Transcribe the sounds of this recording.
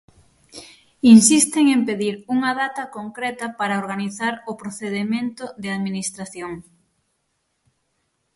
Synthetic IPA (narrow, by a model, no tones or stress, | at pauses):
insist̪eŋempeðiɾuŋɐðat̪ɐkoŋkɾɛt̪ɐpaɾaoɾɣaniθaɾʊpɾoθeðemẽnt̪ʊðɪaðminist̪ɾaθjoŋ